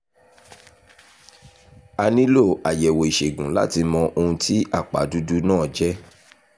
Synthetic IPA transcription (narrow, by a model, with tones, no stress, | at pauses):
a˧nĩ˦lo˦˨a˨jɛ˨wo˨i˨ʃe˨ɡũ˨la̰˦ti˧mɔ̃˧ʔo˧ũ˧tʰi˦ʔa˦˨k͡pa̰˨˦du˦du˦nãː˦˨d͡ʒɛ˦